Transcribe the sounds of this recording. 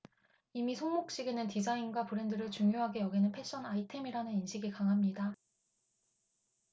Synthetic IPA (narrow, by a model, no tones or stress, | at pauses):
imisʰoŋmok̚ɕ͈iɡenɯntid͡ʑainɡwapɯɾe̞ndɯɾɯɭt͡ɕuŋjoɦaɡe̞jʌɡinɯnpʰe̞ɕ͈ʌnaitʰe̞miɾanɯninɕʰiɡikaŋɦamɲida